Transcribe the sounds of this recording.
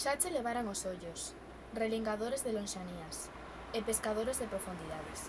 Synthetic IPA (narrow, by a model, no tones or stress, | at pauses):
ʃat͡ʃeleβ̞aɾaŋosoʎʊs | reliŋɡaðoɾezðelõnʃanias | epeskaðoɾezðepɾofund̪iðaðɪs